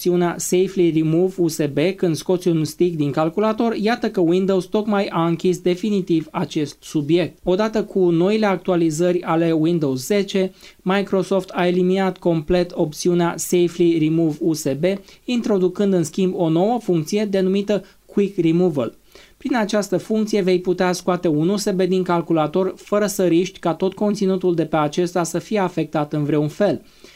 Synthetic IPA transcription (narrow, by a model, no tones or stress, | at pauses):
siuneasejflirimuvuse̞be̞kɨnd̪sko̞t̪siuunst̪ikd̪iŋkalkulat̪o̞rjat̪əkəwind̪o̞wst̪o̞kmajaɨŋkʲisd̪e̞finit̪ivat͡ʃe̞st̪subje̞k̚t̪o̞d̪at̪əkʰuno̞ileak̚t̪ualizərʲale̞wind̪o̞wsze̞t͡ʃe̞majkɾo̞so̞ft̪ae̞liminat̪ko̞mple̞t̪o̞pt̪siuneasejflirimuvuse̞be̞int̪ɾo̞d̪ukɨnd̪ɨnskʲimbo̞no̞wəfuŋk̚t̪sije̞d̪e̞numit̪ə | kwikrimuvəl | pɾinat͡ʃast̪əfuŋkt̪sije̞ve̞jput̪easkoat̪e̞unuse̞be̞d̪iŋkalkulat̪o̞rfəɾəsəɾiʃt̪ʲkat̪o̞t̪̚ko̞nt̪sinut̪uld̪e̞pe̞at͡ʃe̞st̪asəfije̞afe̞k̚t̪at̪ɨnvɾeunfe̞l